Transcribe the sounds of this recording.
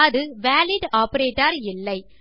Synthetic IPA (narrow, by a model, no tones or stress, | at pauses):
ðɯʋæːlɪɖaːpɐɾeːʈːaɾɪlːɐɪ